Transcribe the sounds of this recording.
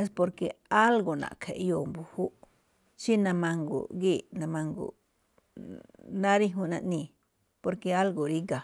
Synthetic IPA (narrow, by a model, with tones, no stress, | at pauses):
e˦s̬po˧ɾke˧a˦lɡo˨nã̰˨kʰḛ˨ʔjo˧˨mbu˨hu˦ʔ | t͡ʃi˦nã˧mã˧ŋɡo̰˨ɡi˦˨nã˧mã˧ŋɡo̰˨ | nã˦ɾi˦ɦũ˧nã˧ʔnĩ˧ | po˧ɾke˧a˦lɡo˨ɾi˦ɡa˨